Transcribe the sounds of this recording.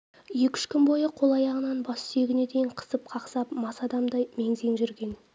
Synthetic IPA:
jekʲʏ̥ʃkʲʰɪnmbo̞jəqʰo̞lˠɑjɑʁənɑnbɑsseɡʲɪne̞d̪e̞jɪɴqʰə̥səp̚qʰɑqsɑpmɑsɑd̪ɑmd̪ɑjme̞ŋze̞ŋʒʏɾɡʲe̞n

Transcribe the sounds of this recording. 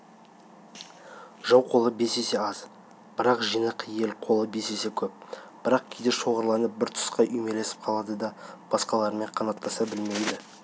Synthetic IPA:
ʒɑwqʰo̞lˠəbe̞se̞se̞ɑz | b̥ɪɾɑqʒijnəqje̞lqʰo̞lˠəbe̞se̞se̞kʲʰɵp̚b̥ɪɾɑq̚kʲʰejd̪eʃo̞ʁəɾlˠɑnəp̚bɪɾt̪ʰʊ̥sqɑʔʏjme̞le̞sɪ̥p̚qʰɑlˠɑd̪əd̪ɑb̥ɑsqɑlˠɑɾme̞ɴqʰɑnɑt̪ːɑsɑbɪlme̞jd̪ɪ

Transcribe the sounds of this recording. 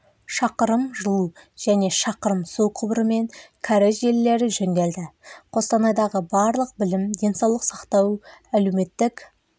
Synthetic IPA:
ʃɑqəɾəmʒəlˠuʒ̥æne̞ʃɑqəɾəmsuwqʰʊbɾəme̞ŋkʰaɾɪʒe̞lːe̞ɾɪʒɵŋɡ̪ʲe̞ld̪ɪqʰo̞st̪ɑnɑjd̪ɑʁəbɑɾlˠəq̚bɪlɪmd̪ʲe̞nsɑwlˠəqsɑqt̪ɑwæleme̞t̪ːɪk

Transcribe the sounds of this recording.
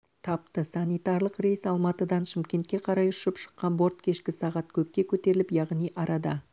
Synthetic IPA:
t̪ʰɑp̚t̪əsɑnijt̪ɑɾlˠəqre̞jsɑlˠmɑt̪əd̪ɑnʃɪmkʲe̞nt̪̚kʲe̞qʰɑɾɑjʊʃɪpʃə̥qːɑnbo̞ɾt̪kʲʰe̞ʃkʲɪsɑʁɑt̪kʲʰɵkʲːe̞kʲʰɵt̪e̞ɾɪlɪpjɑʁnijʔɑɾʔɑd̪ɑ

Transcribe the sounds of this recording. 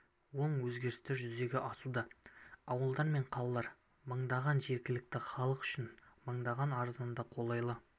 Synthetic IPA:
wo̞ɴwɵzɡʲe̞ɾɪst̪ɪʒʏze̞ɡʲɪʔɑsud̪ɑɑwəlˠd̪ɑɾme̞ɴqʰɑlˠɑlˠɑɾ | məɴd̪ɑʁɑnʒe̞ɾkʲɪlɪk̚t̪ɪχɑlˠəqʏ̥ʃɪnməɴd̪ɑʁɑnɑɾzɑnd̪ɑqʰo̞lˠɑjlˠə

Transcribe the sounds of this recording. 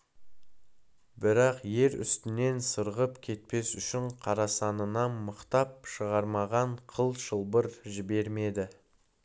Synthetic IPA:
bɪɾɑqje̞ɾʏ̰st̪ɪne̞nsəɾʁəpkʲʰe̞t̪̚pe̞sʏʃɪɴqʰɑɾɑsɑnənɑnməqt̪ɑp̚ʃəʁɑɾmɑʁɑɴqʰəlˠʃəlˠbəɾʒɪbe̞ɾme̞d̪ɪ

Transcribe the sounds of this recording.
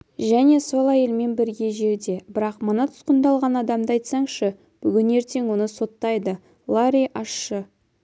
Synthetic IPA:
ʒæne̞so̞lˠɑje̞lme̞nbɪɾɡʲe̞ʒe̞ɾd̪e̞bɪɾɑqmənɑt̪ʰʊ̥sqənd̪ɑlˠʁɑnɑd̪ɑmd̪əɑjt̪sɑɴʃə | b̥ʏɡʲɪne̞ɾt̪e̞ŋwo̞nəso̞t̪ːɑjd̪ə | lˠaɾijʔɑʃːə

